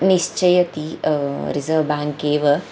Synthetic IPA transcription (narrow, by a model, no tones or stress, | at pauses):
niʃt͡ʃɐjɐt̪iɾizɐʋbaːŋkeːʋɐ